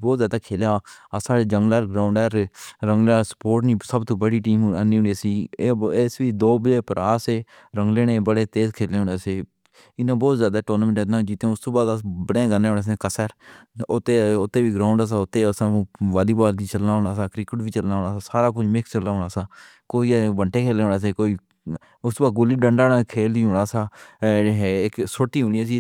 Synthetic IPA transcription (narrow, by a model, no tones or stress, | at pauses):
bɔːt̪zjaːd̪aːkʰeːljaːəsaːed͡ʒəŋɡlɛːɾɡɾaːʊɳɖɛːɾɾəŋɡlaːɾsə̥poːɾʈniːsəbt̪oːbəɽiːʈiːməniːʊnisiːeːsʋiːd̪oːbleːpəɾaːseː | ɾəŋɡleːnẽːbəɽeːt̪eːzkʰeːleːɦʊneːseː | ɪnãːbɔːt̪zjaːd̪aːʈoːnːmɳʈed̪nãd͡ʒit̪ẽːʊst̪õːbaːd̪əbəɽẽːɡəneːoːneːs̬ẽːkəsəːɾot̪eːʊt̪ːeːʋiːɡɾaːʊɳɖaːs̬aːʊt̪ːeːsãːʋaːliːbaːliːt͡ʃəlnaːɦõːɳaːsaːkɾɪkəʈbiːt͡ʃəlnaːõːɽaːsaːsaːɾaːk̬ʊd͡ʒʰmɪkst͡ʃəlːaːɦoːɳaːsaː | koːiːʋəɳʈeːkʰeːleːɦoːnaːs̬eːkoːiː | ʊst̪oːbaːd̪̚ɡʊliːɖəɳɖaːnãkʰeːld̪iːɦoːɽaːsaːɦeɪksoːʈiːɦʊñiːaːsiː